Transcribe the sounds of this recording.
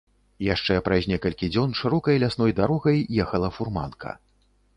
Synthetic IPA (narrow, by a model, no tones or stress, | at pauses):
jaʂt͡ʂɛpɾazʲnʲɛkɐlʲkʲid͡zʲɔnʂɨɾɔkɐjlʲasn̪ɔjd̪aɾɔɣɐjːɛxɐlˠɐfurma̰nkʰɐ̰